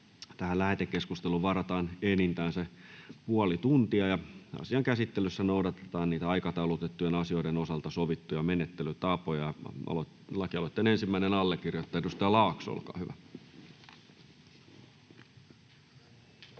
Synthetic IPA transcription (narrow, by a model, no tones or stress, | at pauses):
t̪æhælæhet̪ekːeskust̪eluʋɑrɑt̪ɑːnenint̪æːnsepuɑlit̪unt̪iɑjɑɑ̰siɑŋkæsit̪ːelysːænoudɑt̪e̥t̪ɑːnniːt̪æɑikɑt̪ɑulut̪et̪ːujenɑsioidenosɑlt̪ɑsoʋit̪ːujɑmenet̪ːelyt̪ɑpojɑɑ̰lotlɑkiɑlot̪ːenensimːæinenɑlːekːirjot̪ːɑedust̪ɑɑlɑːkso̰lkɑ̰ːhyʋæ